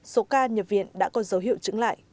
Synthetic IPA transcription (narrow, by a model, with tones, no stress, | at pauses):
so˨˦kaː˧ɲə˨˩p̚vḭ˧˨ənɗa̰ː˧˥kɔ˨˦zə˨˦wɦḭ˧˨əwt͡ɕɨ˨˦ŋla̰ː˧˨jʔ